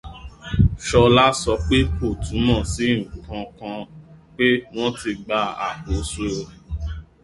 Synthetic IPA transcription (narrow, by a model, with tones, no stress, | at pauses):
ʃɔ˧la˦sɔ˧k͡pe˦o˦˨tũ˨˦mã˦˨sĩ˨˦˨ku˨kã˧kã˧k͡pe˦m̃ɔ̃˦ti˧ɡ͡ba˦˧a̰˨ko˨˧so˦o˧